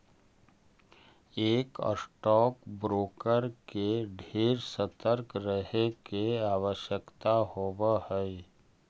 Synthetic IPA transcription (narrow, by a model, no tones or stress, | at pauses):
eːkə̰sʈɔːkbɾoːkəɾkeɖʱeːɾsət̪əɾkɾəɦekeaːʋəʃjəkt̪aɦoʋahɛ